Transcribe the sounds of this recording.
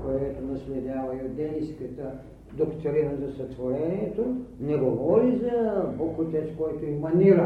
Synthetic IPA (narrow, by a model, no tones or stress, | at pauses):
kojɛt̪onɐslɛd̪ʲavɐiod̪d̪ɛniskət̪ə | d̪okt̪oɾinɐzɐsɐt̪voɾɛniɛt̪onɛɡovɔɾizɐbokut̪ɛt̪kɔjt̪oimɐniɾɐ